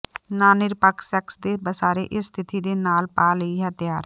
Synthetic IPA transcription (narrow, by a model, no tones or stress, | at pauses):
naːnɪɾpəksɛksd̪eːbəsaːɾeʔɪsːt̪ʰɪt̪id̪eːnaːlpaːləiɦət̪jaːɾ